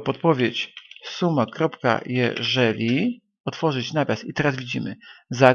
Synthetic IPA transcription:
pɔt̪̚pɔvʲjet͡ɕsumakɾɔpka̰jɛ̰ʐɛlʲi | ɔt̪fɔʐɘt͡ɕnavʲasit̪ɛɾazvʲid͡ʑimɘ̰za

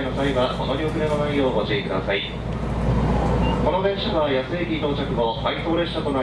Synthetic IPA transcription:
inosaiβamonoɾʲiokɯ̟ɾemanaijo̞ːmot͡ɕiːkɯ̟d̪a̰sai | ko̞nod̪e̞ɰ̃ɕaβajasɨekʲit̪o̞ːt͡ɕakɯ̟mo̞hait̪o̞ːɾe̞ɕat̪o̞na

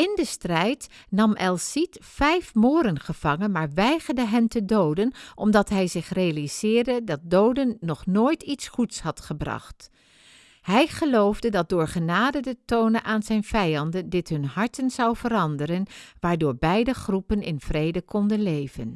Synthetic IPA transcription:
ɪndəstrɛjt | nɑmʔɛlˠsitfɛjfmoːɾənχəv̥ɑŋənmaːɹʋɛjχəɹdəɦɛntədowdənʔɔmdɑtɦɛjzɪχrejalizɪːɹdədɑt̚dowdənːɔχnoːjtitsχutshɑtχəbrɑ̰χt | hɛjχəlowvdədɑt̚dʊːɹχənaːdədətownəʔaːnzɛjnv̥ɛjɑndəndɪtɦɵnɦɑɹtənzɑwvəɾɑndərənʋaːɹdʊːɹbɛjdəχrupənɪ̰nv̥rejdəkɔndənlejvən

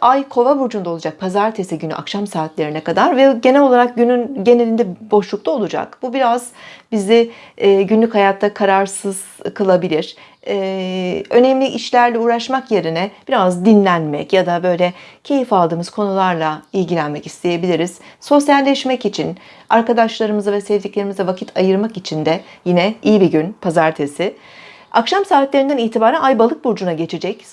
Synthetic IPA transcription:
ajkʰo̞vabuɾd͡ʒund̪ao̞lˠud͡ʒak̚pʰazaɾt̪ʰesɛɟyny̰ʔa̰kʃamsaːt̪lʲeɾinɛkad̪aɾvɛɟe̞nɛlʲo̞lˠaɾak̚ɟynynɟe̞ne̞lʲind̪ɛbo̞ʃlˠuk̚t̪ʰao̞lˠud͡ʒa̰kbubiɾaz̥bizɪːɟynlʲychajat̪ʰːakʰaɾaɾsɯz̥kʰɯlˠabilʲiɾ̥ | ɛːønɛmlʲiʔiʃlʲæɾlʲɛuːɾaʃmakje̞ɾinɛb̥iɾazd̪inlʲænmɛ̰cjad̪abø̞jlʲɛcʰe̞jifalˠd̪ɯːmɯz̥kʰo̞nulˠaɾlˠailʲɟilʲænmɛci̥st̪ʰe̞je̞bilʲiɾiz̥so̞sjalʲːɛʃmɛcit͡ʃʰin | aɾkad̪aʃlˠaɾɯmɯzavɛsɛvd̪iclʲe̞ɾimizɛvacʰit̪ʰajɯɾmakit͡ʃʰind̪ɛjinɛijibiɟynpʰazaɾt̪ʰe̞sɪ | akʃamsaːɦit̪lʲeɾind̪æniːt̪ʰibaːɾænajbalˠɯk̚buɾd͡ʒunaɟe̞t͡ʃʰed͡ʒɛc

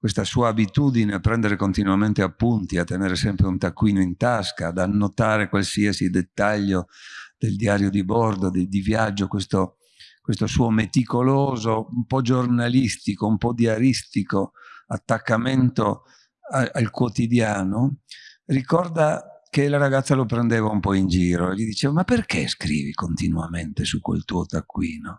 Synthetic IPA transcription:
kwest̪asuːaːbit̪uːd̪ineapːɾɛnd̪eɾekont̪inuament̪eapːunt̪iat̪ːeneːɾesɛmpɾeunt̪akːwiːnoint̪askad̪anːot̪aːɾekwalsiasid̪et̪ːaʎːod̪̥eld̪iaːɾjod̪ibɔrd̪od̪ed̪ivjad͡ʒːokwest̪o | kwest̪osuːomet̪ikoloːzoumpɔd͡ʒornalist̪ikoumpɔd̪iaɾist̪ikoat̪ːakːament̪o | aalkwot̪id̪jaːnorikɔrd̪akelaɾaɡat̪sːalopɾend̪eːvaumpɔind͡ʒiːɾoeʎːid̪it͡ʃeːvamaperkḛskɾḭːvikont̪inuament̪esukːwḛlt̪uːot̪akːwiːno

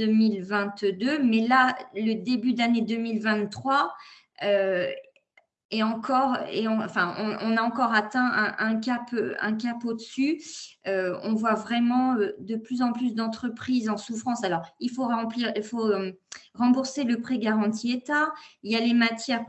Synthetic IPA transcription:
ømilvɛ̃t̪d̪ømɛlaləd̪ebyd̪aned̪əmilvɛ̃t̪ːχwa | ø | eɑ̃kʰɔʁḛɔ̃ɑ̰̃fɛ̃ɔ̰̃ɔ̃naɑ̃kɔʁat̪ɛ̃ʔɛ̃ʔɛ̃kʲapøɛ̰̃kapod̪əsyøɔ̰̃vwavʁɛmɑ̃ød̪əplyzɑ̃plysd̪ɑ̃t̪χəpχizɑ̃sufχɑ̃salɔʁilfoʁɑ̃pliʁilfoømʁɑ̃buʁseləpχiɡaʁɑ̃t̪ʰiet̪ailjalemat̪jɛʁ

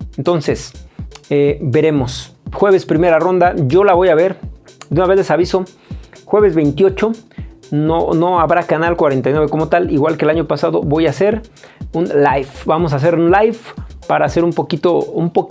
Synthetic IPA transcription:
ent̪o̞nse̞s | ebe̞ɾe̞mo̞sxwe̞βe̞spɾime̞ɾaro̞nd̪aʝo̞laβo̞jaβe̞ɾd̪unaβezðesaβiso̞ | xwe̞βezβejnt̪jo̞t͡ʃo̞nonoaβɾakanalkwaɾe̞nt̪ajnweβeko̞mo̞t̪aliɣwalkelaɲopasaðo̞̰bo̞jase̞ɾunlajfbamo̞s̬as̬e̞ɾunlajfpaɾaːse̞ɾumpo̞kit̪oumpo

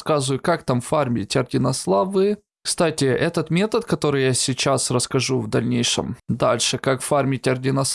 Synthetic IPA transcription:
skazʊjʊkakt̪amfarmʲɪtʲɐrdʲɪnɐslˠavɨ | kst̪atʲɪɛt̪ət̪mʲe̞t̪ət̪kɐt̪o̞ɾɨjasʲɪt͡ɕasrəskɐʐuvd̪ɐlʲnʲejʂɨ̰md̪alʲʂɨkakfarmʲɪtʲɐrdʲɪnɐs

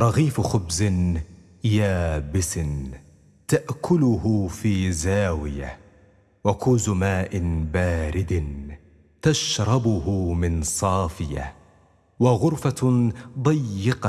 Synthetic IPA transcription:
ɾˤɑɣiːfxʊbzɪ | jaːbɪsn | t̪aʔkʰʊlʊhʊfiːzaːwɪ̰ja̰ | wakʊːzʊmaːʔɪnbaːɾɪd̪n | t̪aʃɾˤɑbʊhʊmɪnsˤɑːfɪja̰ | waɣʊɾfad̪ˤɨjːɪqɑ

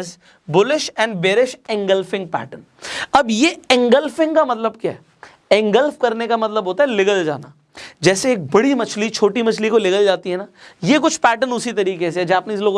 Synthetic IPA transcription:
z | bʊlɪʃɛ̃ːɳɖbeːɾɪʃɛ̃ŋɡəlfɪ̃ŋɡ̚pɛ̰ːʈən | ɐbjeɛ̃ŋɡəlfɪ̃ŋɡkamɐt̪ləbkjaːɦɛː | ɛ̃ŋɡəlfkɐɾnekamɐt̪ləbʱɦoːt̪aɦɛlɪɡəld͡ʒa̰ːnaː | d͡ʒɛːseːk̚bɐɽimɐt͡ʃʰlit͡ʃʰoːʈimɐt͡ʃʰlikolɪɡəld͡ʒaːt̪iɦɛnaːjekʊt͡ʃʰpɛːʈənʊsit̪ɐɾiːkes̬eɛd͡ʒaːpneɪs̬loːɡ

